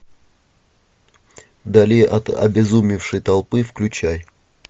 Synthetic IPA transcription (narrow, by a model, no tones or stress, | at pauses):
d̪ɐlʲiʔɐt̪ɐ̰bʲɪzumʲɪfʂɨjt̪ɐlˠpɨfklʲʉt͡ɕaj